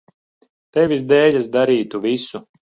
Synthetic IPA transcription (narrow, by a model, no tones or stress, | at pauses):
t̪ɛvʲizd̪ɛːʎʲasd̪aɾiːt̪uvʲisu